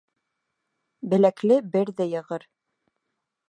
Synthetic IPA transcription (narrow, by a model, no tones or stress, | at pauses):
bɘ̆læklɘbɘɾðæjɤ̆ʁɤɾ